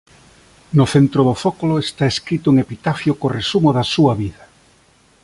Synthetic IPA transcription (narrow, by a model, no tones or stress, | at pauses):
nʊθent̪ɾoðofokoloest̪aeskɾit̪oeŋepit̪afjokoresumoðɐsuɐβiðɐ